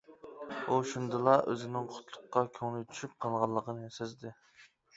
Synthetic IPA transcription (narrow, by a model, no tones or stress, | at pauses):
uʃund̪ɨlˠɑʔøzɪnɪŋqʰʊ̥t̪ʰlˠʊqːɑkʲʰøŋlɪt̪ʰy̥ʃyp̚qʰɑlˠʁɑlˠːəqʰənɨsezd̪ɪ